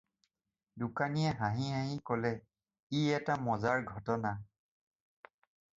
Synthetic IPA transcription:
dukanijɛɦaɦĩɦaɦĩkɔlɛ | iɛtamɔzaɹɡʱɔtɔna

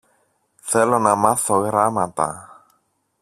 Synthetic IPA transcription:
θelonɐmaθoɣɾamat̪ɐ̰

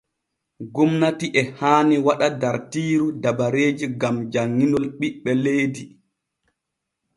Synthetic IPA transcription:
ɡumnatiʔɛhaːniwaɗadaɾtiːɾudabaɾeːd͡ʒiɡamd͡ʒaŋːinɔlɓiɓːɛlejdi

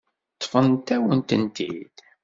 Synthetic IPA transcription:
t̪ːfənt̪æwənt̪ənt̪ḭd̪̥

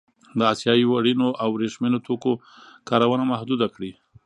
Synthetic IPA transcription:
d̪əɑsjɑiwaɽinoʔawɾeʂmenot̪ʰoko | kɑɾawənamahd̪ud̪akɽi

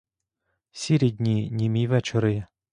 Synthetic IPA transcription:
sʲiɾʲid̪ʲnʲinʲimʲijʋɛt͡ʃɔɾɪ

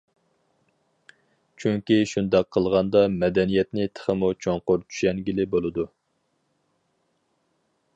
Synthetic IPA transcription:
t͡ʃʰyŋkʲiʃund̪ɑqʰːəlˠʁɑnd̪ɑmɛd̪ɛnijɛt̪nɪt̪ʰə̥χəmut͡ʃʰoŋqʊɾt͡ʃʰy̥ʃɛnɡʲilɪbolˠɨd̪u

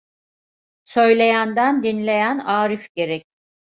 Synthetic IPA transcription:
sø̞jlʲe̞jænd̪ænd̪inlʲe̞jænaːɾifɟe̞ɾɛc̚

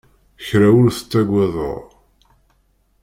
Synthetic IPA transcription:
çɾæwʊɾθə̥t͡sːæɡʷæðˤo̰ʁ

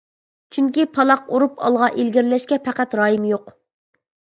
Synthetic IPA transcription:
t͡ʃʰyŋkʲipʰɑlˠɑquɾupʰɑ̰lˠʁɑʔelɡʲiɾlɛʃkʲɛpʰæqæt̪ɾɑːjimjoq

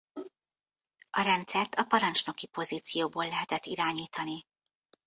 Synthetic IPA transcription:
ɒɾɛnt̪sɛrt̪ʰɒpɒɾɒnt͡ʃno̞kipo̞ziːt̪sijoːboːlːɛɦɛt̪ɛt̪ːiɾaːɲiːt̪ɒni

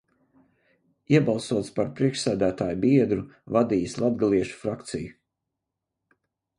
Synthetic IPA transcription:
iɛbɑlˠsuɔt̪spaɾpɾiɛkʃsæːd̪æːt̪aːjubiɛd̪ɾuvad̪iːslˠad̪ɡalˠiɛʃu̥fɾakt̪sḭju

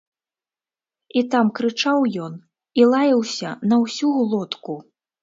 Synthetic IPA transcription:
it̪amkɾɨt͡ʂawjɔn | ilˠajɐwsʲɐnɐwsʲuɣlˠɔt̪ku

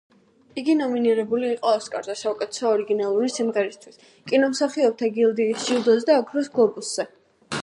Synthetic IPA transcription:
iɡinɔminiɾɛbuliːqʼɔaskʼa̰ɾzɛsaukʼɛt̪ʰɛ̥sɔɔɾiɡinalˠuɾisimʁɛɾist̪ʰwis | kʼinɔmsaχiɔp̚t̪ʰaɡilˠd̪iːsʃiud̪ɔzd̪aːkʰɾɔs̬ɡlˠɔbusz̥ɛ

